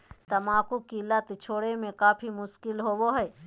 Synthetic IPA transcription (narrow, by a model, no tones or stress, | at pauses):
t̪əmaːkukilɐt̪t͡ʃʰoːɽemẽkaːpʰimʊʃkɪlɦoːboɦɛː